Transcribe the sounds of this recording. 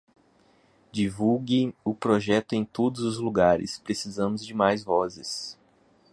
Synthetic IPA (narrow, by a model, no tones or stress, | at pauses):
d͡ʒivuɡẽj̃ʊpɾoʒɛt̪ʊẽj̃t̪od̪ʊzʊzluɡaɾɪ̰spɾesizɐ̃mʊzd͡ʒɪmajzvɔzɪs